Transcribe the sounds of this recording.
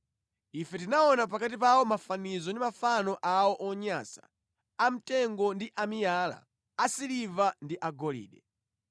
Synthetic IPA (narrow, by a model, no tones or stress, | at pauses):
ifɛtinaɔnap̬akat̬ip̬awɔmafanizɔndimafanɔʔawɔʔɔɲasḁ̰ | am̩tɛŋɡɔndiʔamijaːla̰ | asilivandiʔaɡɔlḭːɗɛ